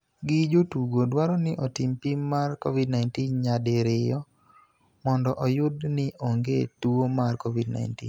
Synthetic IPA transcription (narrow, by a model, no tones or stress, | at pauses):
ɡɪd͡ʒotuɡodwaɾɔnɪʔɔtimpimːarkɔvidnajntinɲadɪɾɪjɔ | mɔndɔʔɔjʊdnɪʔoŋɡetuomarkɔvidna̰jntḭn